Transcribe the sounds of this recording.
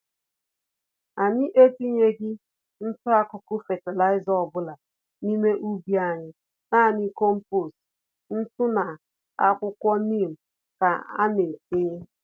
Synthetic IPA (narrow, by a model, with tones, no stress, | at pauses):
a˨ɲɪ˦ʔe˦ti˦ɲe˦ɡɪ˦ | n̩˦tʊ˦a˦kʊ˨kʊ˦fe˨te˨la˦ɪ˦zɔ˨bʊ˦la˨ | ni˦me˦ʔu˦bi˦a˨ɲɪ˦ | na˦˨ɲi˦ko˦m̩˦po˦˨s | n̩˦tʊ˦na˨ | a˦kʷʊ˦kʷɔ˦ni˦˨m̩˨ | ka˨a̰˦ne˨ti˦ɲɪ˦